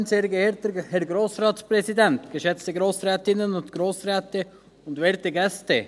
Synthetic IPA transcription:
nseːɾɡəeːɾtəhɛɾɡɾoːsɾɑːtspɾɛsidɛnt̪ɡ̥əʃɛt͡stəɡɾoːsɾɛːt̪ɪnənʊntɡ̥ɾoːsɾɛːtə | ʊndʋeːɾtəɡɛstə

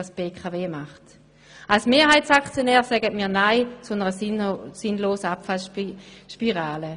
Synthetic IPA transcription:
sb̥eːkʰaveːmaχt | alsmeːɐɦaɪtt͡sakt͡sjonɛːʁsɛɡətmiːɐnaɪt͡sunəʁəsɪnloːsəapfalʃpiʁaːlə

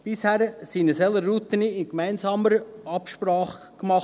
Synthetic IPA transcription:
b̥ɪshæːɾəsiːnəsɛləɾːut̪əniɪnkmæɪnzɑːməɾɑpʃprɑːχ | kmɑχ

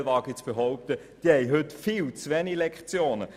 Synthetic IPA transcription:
lvɑːɡɪt͡sfəɦɔʊp̚t̪ə | d̥ihɛɪɦʏtfiːlt͡sʋɛnilɛkχt͡sjoːnə

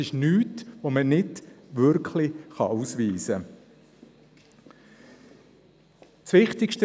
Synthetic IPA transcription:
ɪʃnyːtʋomənɪdʋʏɾkʰlɪχɑ̰ʔusʋiːsə | t͡sʋɪχtɪkʃtə

